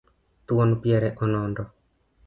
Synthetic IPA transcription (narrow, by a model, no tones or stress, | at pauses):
t̪uɔnpjɛɾɛʔɔnɔndɔ